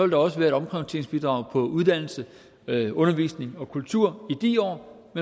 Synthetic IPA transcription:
ɒʋeld̥ɑ̈ɒ̽səʋæːɐe̝ɾɒ̽mkʰʁɑt͡sʰe̝̰ɐŋ̩sb̥id̥ʁɑ̈ʊpʰɒ̽uðˠd̥æn̰l̩sə | ɔ̽nɐʋḭːsne̝ŋɒ̽kʰult͡sʰuɐ̰id̥iɒ̰ː | me

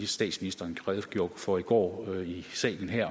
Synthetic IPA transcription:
isd̥ɛ̰ːd̥sminisd̥ɐːnkʰʁɛðˠɡ̥jo̝ɐ̰ɡ̥fɒiɡ̥ɒ̰ːisɛ̰ːln̩ɦæɐ̰

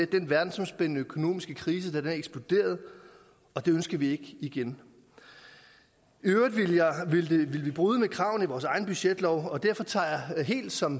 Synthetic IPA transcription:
ed̥enʋæɐd̥n̩sɒ̽msb̥ennəøkʰo̝no̝̰ːmisɡ̥əkʰʁiːs̬əd̥æd̥eneɡ̥sb̥lo̝d̥e̝̰ːɐð̞̩ˠ | ɒ̽d̥e̝ønsɡ̥ɐʋie̝ɡ̥əiɡ̥en | øʊidˠʋijʋilʋilʋib̥ʁyːð̞ˠəmekʰʁɑ̈ʊn̩iʋɒːsɑ̈ɪn̩b̥yɕed̥lɒʊɒ̽d̥æɐ̰fɒ̽t͡sʰɑ̰̈ːjɑɦe̝̰ːld̥sɒ̽m

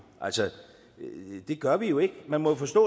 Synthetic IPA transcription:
ʔælsə | d̥e̝ɡ̥ɶɐʋijo̝e̝ɡ̥əmænmɒfɒ̽sd̥ɔ̰ː

